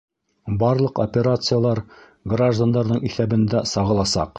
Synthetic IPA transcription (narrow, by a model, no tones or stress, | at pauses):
bɒrlˠɤqo̰pʲeɾat̪sɨjalˠɑɾ | ɡraʒd̪and̪ɑɾnɤɴiθæbɘ̆nd̪æsɒʁɤ̆lˠɑsɑ̰q